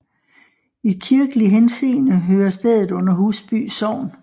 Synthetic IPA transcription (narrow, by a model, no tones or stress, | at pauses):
ikʰiɐɡ̥əliɦense̝̰ːnəɦøːɐsd̥eð̞̰ˠð̩ˠɔ̽n̰ɐɦuːsb̥y̰ːsɒʊ̰n